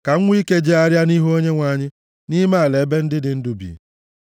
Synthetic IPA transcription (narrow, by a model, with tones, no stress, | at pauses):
ka˨ŋ̩˦ŋʷ˦i˦ke˦d͡ʒe˦a˦ɾja˦ni˦ɦo˦ɲe˦ŋʷa˨ɲɪ˦ | ni˦ma˦a˨le˨e˦be˦n̩˦dɪ˦dɪ˨n̩˦dʊ˦bḭː˨